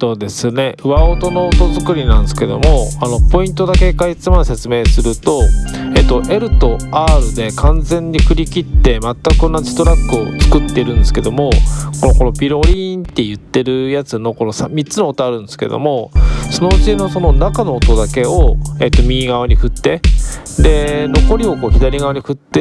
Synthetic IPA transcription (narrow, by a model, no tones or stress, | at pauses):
so̞ːd̪e̞sɨne̞ɯ̟βaot̪o̞no̞ːt̪o̞zɨkɯ̟ɾʲinãnd̪sɨ̥ke̞d̪o̞̰mo̞ano̞po̞ĩnt̪o̞d̪ake̞kait͡sɨmase̞t͡sɨme̞ːsɨɾɯ̟t̪o̞et̪ːo̞ʔe̞ɾɯ̟t̪o̞aːɾɯd̪e̞kãnd͡zẽ̞ɲ̟ːiɸɯ̟ɾʲikʲit̪ːe̞mat̪ːakɯ̟̥õnːasi̥t̪o̞ɾakːɯ̟o̞̰t͡sɨ̥kɯ̟t̪ːe̞iɾɯ̟̃nd̪esɨ̥ke̞d̪o̞mo̞konoko̞no̞pʲiɾo̞ɾʲiːnt̪ːe̞jɯ̟t̪ːe̞ɾɯ̟jat͡sɨno̞ko̞no̞samʲit͡sɨno̞ːt̪ːoaɾɯ̟̃nd̪esɨ̥ke̞̰d̪o̰mo̞sono̞ɯ̟t͡ɕino̞so̞no̞nakano̞ːt̪o̞d̪ake̞oe̞ːt̪ːo̞mʲiːɡaβ̞aɲ̟iɸɯ̟t̪ːe̞d̪e̞no̞ko̞ɾʲio̞ko̞ːçʲid̪aɾʲiɡaβaɲ̟iɸɯ̟t̪ːe